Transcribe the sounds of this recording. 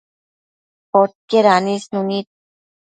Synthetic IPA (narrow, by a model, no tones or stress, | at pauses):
poʈ̚keɾanisnunit̪̚